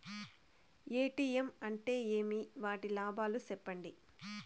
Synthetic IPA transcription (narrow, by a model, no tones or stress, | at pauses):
eːʈiːemɐɳʈe̞ːeːmiʋaːʈilaːbʱaːlusɛpːɐɳɖi